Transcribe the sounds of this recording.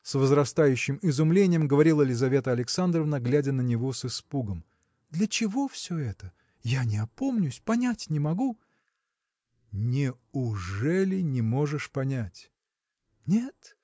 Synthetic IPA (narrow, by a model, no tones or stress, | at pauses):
svəzrɐst̪ajʉɕːɪmɪzʊmlʲenʲɪjəmɡəvɐɾʲilˠəɪlʲɪzɐvʲe̞t̪əɐlʲɪksand̪ɾəvnəɡlʲædʲənənʲɪvo̞sɨspuɡəm | d̪lʲət͡ɕɪvo̞fsʲɵɛt̪ə | janʲɪɐpo̞mnʲʊsʲpɐnʲætʲnʲɪmɐɡu | nʲɪ | ʊʐɛlʲɪnʲɪmo̞ʐɨʂpɐnʲætʲ | nʲet̪